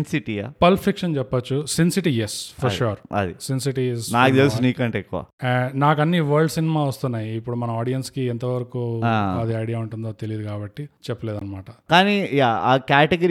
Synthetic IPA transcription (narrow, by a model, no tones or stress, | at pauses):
nsiʈiːaːpɐlpʰikʂɐnt͡ʃɛpːɐt͡ʃːusinsiʈijespʰɐɾʃuːɾɐ̰d̪isinsiʈiesnaːkit̪elsuniːkɐɳʈeːkːuʋa̰ːnaːk̬ɐnːiʋɐːɾɖsinɛmaːʋɐst̪unːaːjiːpːuɽumɐnɐaːɖijɐnskiɛnt̪ɐʋɐɾɐkuːaːɐd̪iɐjɽijaːuɳʈund̪oːt̪e̞lijid̪ukaːbɐʈːit͡ʃɛpːɐleːd̪ɐnːɐmaːʈɐkaːnijaːaːkaːʈeɡɐɾ